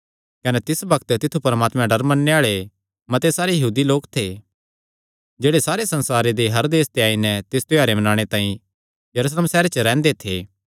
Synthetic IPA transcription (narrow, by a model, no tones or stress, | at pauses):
kɐnɛt̪ɪsbɐkt̪t̪ɪt̪ʰːupɐɾmaːt̪mɛ̃ɖɐɾmɐnːeaːɭe | mɐt̪esaːɾejɐɦuːd̪iloːkt̪ʰeː | d͡ʒeːɽesaːɾesɐ̃nsaːɾed̪eɦɐɾd̪eːst̪jaːinɛt̪ɪst̪ʊjaːɾemɐnaːɽ̃et̪ãːĩ | jɐɾusleːmsɛːɾet͡ʃəɾɛ̃ːnd̪et̪ʰeː